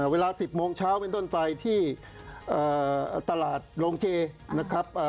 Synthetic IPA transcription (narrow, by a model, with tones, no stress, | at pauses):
weː˧laː˧si˨˩p̚moː˧ŋt͡ɕʰaː˦˥wpe˧nt̪o˥˩npa˧jt̪ʰiː˥˩ | ʔaː˨˩t̪a˧laː˨˩t̪̚ɾoː˧ŋt͡ɕʰeː˧na˦˥kʰɾa˦˥p̚ʔaː˨˩